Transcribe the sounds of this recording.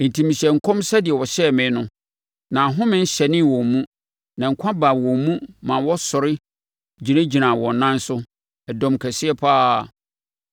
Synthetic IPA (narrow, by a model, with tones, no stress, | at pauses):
n̩˨tʰĩ˨mĩ˨ɕɛ˨ŋ̩˨kʰɔ̃˦msɛ˦dɪ˨ɛ˨wɔ˨ɕɛ˦˨mẽ˨˦nʊ̃˦ | nã˨ɦʊ̃˦mɪ̃˦n̩˦ɕɛ˨nɪ̃˦wɔ̃˨mmũ˦ | nã˨ŋ̩˨kʷʰã˦ba˨wɔ̃˨mũ˦mã˨wɔ˦sʊ˨ɾɪ˦ | d͡ʑi˨nã˦d͡ʑi˨nã˨wɔ̃˨n˨nã˦n˦sʊ˦ | ɛ˨dɔ̃˨mkʰæ˨sɪ˦ɛ˦pʰaː˦˨